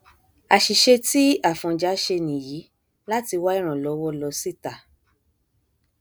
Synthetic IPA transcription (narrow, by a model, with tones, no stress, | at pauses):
a˨ʃi˨ʃe˧ti˦a˦˨fɔ̃˧d͡ʒa˨˦ʃe˧nĩ˨ji˨˦ | la˦ti˧wa˦i˦˨ɾ̃ã˨lɔ˨˧˦wɔ˦lɔ˧si˦˨ta˨